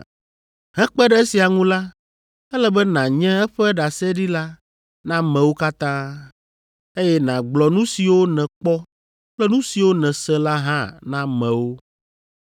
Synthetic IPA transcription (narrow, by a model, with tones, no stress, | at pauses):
ɦɛ̃˦k͡pɛ˦ɖɛ˦e˦si˨a˨ŋũ˦la˦ | ɛ˦lɛ˦bɛ˦nã˨ɲɛ̃˦ɛ˦ɸɛ˦ɖa˨sɛ˦ɖi˦la˦ | nã˦mɛ̃˨wo˦ka˦t̪ã˦ | e˦jɛ˦nã˨ɡ͡blɔ˨nũ˦si˨wo˦nɛ̃˨k͡pɔ˦ | k͡plɛ˦nũ˦si˨wo˦nɛ̃˨sɛ˦la˦ɦã˦nã˦mɛ̃˨wo˦